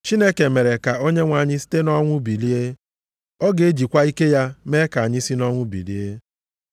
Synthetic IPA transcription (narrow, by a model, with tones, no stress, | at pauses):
t͡ʃi˦ne˦ke˨me˨ɾe˨ka˨o˦ɲe˦ŋʷa˨ɲɪ˦si̥˦te˦nɔ˦ŋʷʊ˦bi˨li˦e˦ | ɔ˦ɡe˨˦d͡ʒi˨kʷa˦i˦ke˦ja˦me˦ka˨ɲɪ˦si˦nɔ˦ŋʷʊ˦bḭ˨li˦e˦